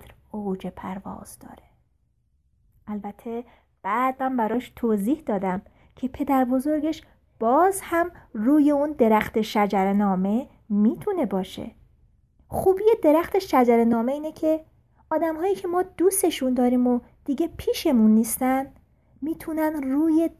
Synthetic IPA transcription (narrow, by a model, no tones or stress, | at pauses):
ɾ | od͡ʒepʰæɾvɒ̰ːz̥d̪ɒ̰ːɾe | ʔælbæt̪ʰːe̞ | b̥æːd̪̚mænbæɾɒːʃt̪ʰoːziːhd̪ɒːd̪æm | cʰe̞pʰe̞d̪æɾbo̞zo̞ɾɡe̞ʃ | b̥ɒːzhæmruːje̞und̪e̞ɾæxt̪ʰe̞ʃæd͡ʒæɾenɒːme̞ | miːt̪ʰune̞bɒːʃḛ | xuːbiːje̞d̪e̞ɾæxt̪ʰeʃæd͡ʒæɾe̞nɒːme̞iːnecʰe̞ | ɒːd̪æmɦɒːjiːcʰe̞mɒːd̪uːst̪e̞ʃund̪ɒːɾiːmo | d̪̥iːɟepʰiːʃe̞munːiːst̪æn | miːt̪ʰunænruːje